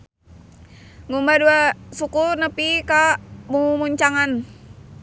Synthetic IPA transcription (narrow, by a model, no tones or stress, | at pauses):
ŋumbaduasukunəpikamuŋumuɲt͡ʃaŋan